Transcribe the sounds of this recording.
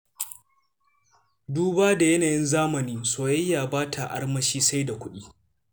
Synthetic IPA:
duː˦baː˦da˨jɐ˦naː˨jɪ˦nzaː˦mɐ˨niː˦soː˨jɐ˦jːaː˨baː˦tʰa˨ʔa̰˦rmɐ˦ʃiː˦sa˦jda˨kʷʊ˦ɗiː˦

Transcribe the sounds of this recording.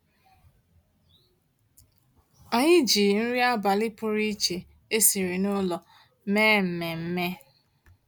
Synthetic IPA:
a˨ɲɪ˦d͡ʒi˨n̩˦ɾi˦a˦ba˨lɪ˦pʊ˦ɾi˦t͡ʃe˨ | e˦si˨ɾi˨nʊ˦lɔ˨ | meː˦m̩˨me˨m̩˦me˦

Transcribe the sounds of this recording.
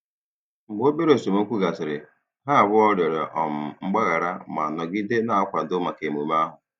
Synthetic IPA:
ŋ͡m̩˨ɡ͡bo˦be˦ɾe˨so˨mo˦kʷu˦ɡa˨sɪ˨ɾɪ˨ | ɦa˦˨bʊ˦ɔ˦ɾe˨ɾe˨ʔɔ˨m̩˨ŋ͡m̩˦ɡ͡ba˦ɣa˨ɾa˦ma˨nɔ˨ɡɪ˦de˦na˦˨a˦kʷa˨dʊ˦ma˨ke˨mu˨m˦a˦ɦʊ˨

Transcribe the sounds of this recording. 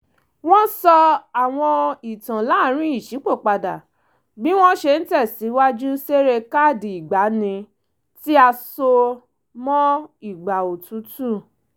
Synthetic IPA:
w̃ɔ̃˦sɔ˧a˨w̃ɔ̃˧i˨tã˨la˨˦˨ɾ̃ĩ˦i˦˨ʃi˨˦k͡po˦˨k͡pa˧da˨ | bi˦w̃ɔ̃˦ʃe˧n̩˦tɛ˦˨si˨˦wa˦d͡ʒu˦se˦ɾe˧ka˦˨di˨i˨ɡ͡ba˨˦nĩ˧ | ti˦a˧so˧ | mɔ̃˦i˦˨ɡ͡ba˨o˨tũ˨˦tu˦˨

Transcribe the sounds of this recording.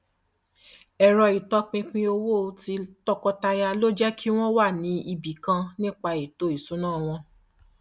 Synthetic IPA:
ɛ˨ɾɔ˧i˨tɔ˧˦k͡pĩ˧k͡pĩ˧o˧wo˦˧ti˧tɔ˦kɔ˧ta˧ja˧lo˦d͡ʒɛ˦kʰi˦w̃ɔ̃˦wa˦˨nĩ˨˦i˧bi˨kã˧nĩ˦k͡pa˧i˨to˨˦i˨su˨˦nãː˦˨w̃ɔ̃˧

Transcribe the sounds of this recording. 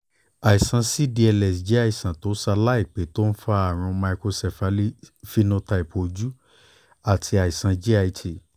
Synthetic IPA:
a˨i˨sã˨˧si˦di˧ɛ˧lɛ˨sd͡ʒe˦a˧i˨sã˨to˨˦sa˧la˦i˦˨k͡pe˨˦to˦n̩˦fa˦a˦˨ɾ̃ũ˧ma˧i˧ko˧sɛ˨fa˧˦li˦fi˦nõ˦ta˧i˨pʰo˨˧d͡ʒu˦ | a˦˨tʰi˧a˨i˨sã˨˧d͡ʒi˦a˧i˧tʰi˨

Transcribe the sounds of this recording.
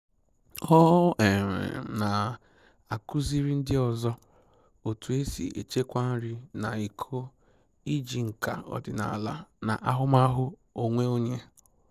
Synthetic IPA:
ɔ˦ʔe˨mḛ˨na˨ | a˨kʊ˦zi˦ɾi˦n̩˦dɪ˦ɔ˨zɔ˦ | o˨tu˨e˦sḭ˨ḛ˨t͡ʃe˦kʷa˦n̩˦ɾi˦na˨i˨kʰo˦ | i˦d͡ʒi˨ŋ̩˨ka̰˨ɔ̰˨dɪ˨na̰˨la˦na̰˨ʔa˦ɦʊ˦ma˦ɦʊ˦o˨ŋʷe˦o˦ɲe˦

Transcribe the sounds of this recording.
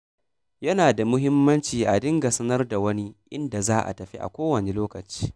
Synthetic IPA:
jɐ˦naː˨da˨mʊ˦ɦɪ˦mːɐ˦nt͡ʃiː˨ʔa˨dɪ˦ŋɡa˨sɐ˦nɐ˦rda˨wɐ˦ni˦ʔɪ˦nda˨zaː˦ʔa̰˨tɐ˨ɸi˦ʔa̰˨kʷoː˦wɐ˨ne˨˦loː˦kɐ˨t͡ʃi̥ː˦

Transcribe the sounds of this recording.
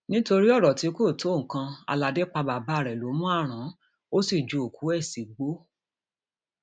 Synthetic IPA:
nĩ˦to˧ɾi˦ɔ˦˨ɾɔ˨ti˨˧˦ko˦˨tõ˨˦˨kã˧a̰˧la˨dɛ˦k͡pa˧ba˨ba˦˨ɾɛ˨lo˨˦mũ˦a˦˨ɾ̃ã˨˦ | o˦si˦˨d͡ʒo˨o˨ku˨˦ɛ˦˨si˨ɡ͡bo˨˦

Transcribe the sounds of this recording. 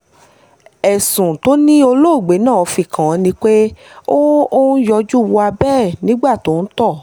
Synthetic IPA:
ɛ˨sũ˨to˦nĩ˦o˧lo˦˨ɡ͡be˨˦nã˦˨ɔ˨˧fi˧kʰã˨˦nĩ˧k͡pe˦ | o˦o˦jɔ˧d͡ʒu˦˨wu˧a˧bɛː˦˨nĩ˦ɡ͡ba˦˨to˨˦n̩˦tɔ˦˨

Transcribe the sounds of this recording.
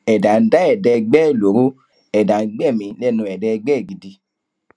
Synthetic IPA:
ɛ˨dã˨˦n̩˦da˦ɛ˦˨dɛ˧ɡ͡bɛ˦˨lo˨˦ɾo˦ | ɛ˨dã˨n̩˦ɡ͡bɛ˦˨mĩ˨˧lɛ˦˨nũ˧ɛ˨dɛ˧ɡ͡bɛ˦˨ɡi˨di˧˦

